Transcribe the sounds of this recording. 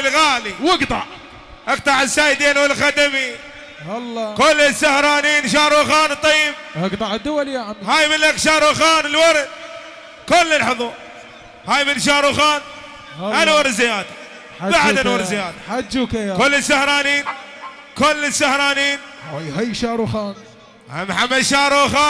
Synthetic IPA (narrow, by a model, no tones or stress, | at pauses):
lɣaːliwɪɡt̪ˤɑʕ | ʔaɡt̪ˤɑʕɪsːaːjɪd̪iːnwɪlxad̪ami | ɑlˤːɑkʊlːsːahɾˤɑːniːnʃaːɾˤuːxɑːnt̪ˤːijːɪbɪɡt̪ˤɑʕɪd̪ːʊwaljaʕmihaːjmɪnlakʃaːɾˤuːxaːnɪlwɑɾˤd̪ | kʊlːəlħʊðˤuːɾ | haːjmɪnʃaːɾˤuːxaːn | ʔanwaɾzɪjaːd̪a | abaʕɪd̪ʔanwaɾzɪjaːd̪aħad͡ʒukajkʊlːɪsːahɾˤɑːniːn | kʊlːɪsːahɾˤɑːniːnjhajʃaːɾˤuxaːn | hamħamːad̪ʃaːɾˤuːxaː